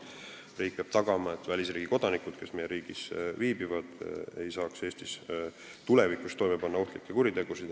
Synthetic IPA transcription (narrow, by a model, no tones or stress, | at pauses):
riːk̚peɑb̥t̪ɑɡ̥ɑmɑet̪ːˑvælʲisriːɡiko̞d̪̥ɑnikˑud̪̥ke̞sme̞jeɾiːɡ̥isviːbivɑd̪̥e̞̰jsɑːkse̞ːst̪is | t̪ule̞vikːˑust̪ːo̞jmepɑnːɑoht̪likːˑekuɾit̪e̞ɡ̥usid̪̥